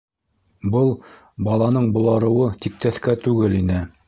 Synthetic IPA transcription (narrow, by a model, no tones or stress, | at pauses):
bɤlˠ | bɑlˠɑnɤɴbŏlˠɑɾɤ̆wɤt̪ik̚t̪æθkæt̪ʉɡɘlinɘ